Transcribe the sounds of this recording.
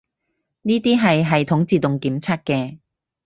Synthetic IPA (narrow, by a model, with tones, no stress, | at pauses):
niː˥t̪iː˥ɦɐ˨jɦɐ˨jt̪ʰʊ˨˥ŋt͡siː˨˧t̪ʊ˨ŋkiː˨˥mt͡sʰɐ˥t̚kɛː˧